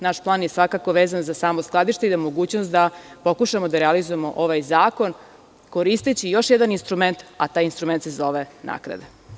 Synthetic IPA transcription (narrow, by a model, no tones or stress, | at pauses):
naʃplˠaːnjesʋakako̞ʋeːzanzasaːmosklˠad̪iʃt̪e̞izamo̞ɡuːt͡ɕnost̪d̪apo̞kuʃamod̪aɾealizojemo̞̰ʔoʋajzaːko̞n | ko̞ɾist̪et͡ɕijo̞ʃjed̪aninst̪ɾume̞nt̪at̪aːjinst̪ɾume̞nt̪se̞zo̞ʋena̰kɾa̰d̪a